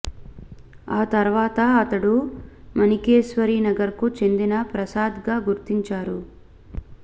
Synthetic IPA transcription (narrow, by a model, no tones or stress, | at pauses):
aːt̪ɐɾʋaːt̪ɐɐt̪ɐɽu | mɐnikeːʃʋɐɾiːnɐɡɐɾkut͡ʃe̞nd̪inɐpɾɐsaːd̪ɡaːɡuɾt̪iɲt͡ʃaːɾu